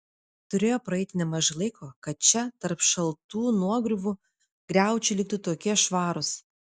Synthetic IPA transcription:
t̪ʊɾʲeːjoːpɾɐɛɪt̪ʲɪnʲɛmɐʒɪlˠɐɪkʰoːkɐt̪̚t͡ʃʲɛt̪ɐɾpʃɐlˠt̪uːnuɔɡɾʲʊʋʊ | ɡ̥ɾʲæˑʊt͡ʃʲɪlʲɪk̚t̪ʊt̪oːkʲiɛʃʋɑːɾʊs

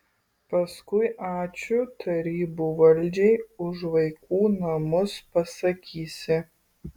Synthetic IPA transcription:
pɐskʊɪʔɑːt͡ʃʲʊt̪ʰɐɾʲiːbuːʋɐlʲd͡ʒʲɛjʊʒʋɐɪkʰuːnɐmʊspɐsɐkʲʰiːsʲɪ

